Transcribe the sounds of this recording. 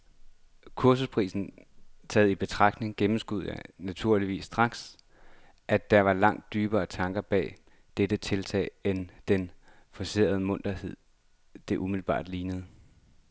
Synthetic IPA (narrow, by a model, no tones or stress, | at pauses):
kʰuɐsuspʰʁḭːsn̩t͡sʰɛ̰ːð̩ˠib̥e̝t͡sʰʁɑ̈ɡ̥d̥ne̝ŋɡ̥emm̩sɡ̥uð̰ˠjænæt͡sʰuɐliʋḭːsːd̥ʁɑ̈ɡ̥s | ʔæd̥ɑɐʋɑ̈lɑ̈ŋ̰d̥̚ːyːb̥ɐːt͡sʰɑ̈ŋɡ̥ɐb̥ɛ̰ː | d̥ed̥ət͡sʰe̝lt͡sʰɛ̰ɪend̥en | fɒ̽se̝̰ːɐð̞ˠəmɔ̽n̰d̥ɐhe̝ð̞̰ˠ | d̥e̝ʔumiðˠl̩b̥ɑ̰̈ːd̥liːnəð̞̩ˠ